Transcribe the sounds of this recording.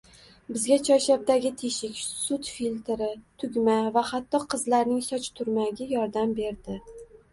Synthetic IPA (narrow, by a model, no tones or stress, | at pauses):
bɪzɡʲat͡ʃʰɒʃab̚d̪aɡʲɪt̪ʰeʃɪkʲsʊt̪filʲt̪ɾɪt̪ʰʊɡʲmavahat̪ːɒqʰɨzlaɾnɪŋsɒt͡ʃt̪ʰʊɾmaɡʲɪjɒɾd̪ambe̞ɾd̪ɪ